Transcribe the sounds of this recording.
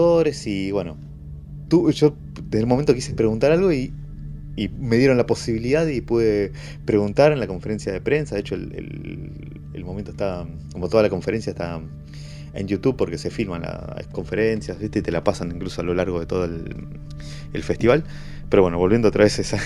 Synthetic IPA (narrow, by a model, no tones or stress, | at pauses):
oɾesiβwe̞no̞ | t̪uʒo̞ | d̪e̞ðelumoment̪o̞k̬isepɾe̞ɣunt̪aɾalɣo̞iː | me̞ðjeɾo̞nlapo̞siβiliðaðipuðe | pɾe̞ɣunt̪aɾenlako̞ɱfe̞ɾe̞nsjaðepɾe̞nsaðet͡ʃoelḛl | ḛlmomẽnt̪oest̪a | ko̞mot̪o̞ðalako̞ɱfe̞ɾe̞nsjaeht̪a | ḛndjut̪uβpo̞ɾke̞se̞filmanla̰sko̞ɱfe̞ɾensjazβist̪e̞it̪e̞lapasanĩŋklusoalo̞laɾɣo̞ð̞e̞t̪o̞ð̞oel | ḛlfe̞st̪iβal | peɾowe̞noβolβjend̪oot̪ɾaβesesa